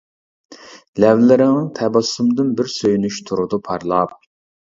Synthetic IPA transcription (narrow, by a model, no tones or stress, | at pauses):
lɛvlɪɾɪŋɨŋt̪ʰɛbɑsumd̪ɨnbɪɾsøjynyʃt̪ʰuɾud̪upʰɑɾlˠɑp̚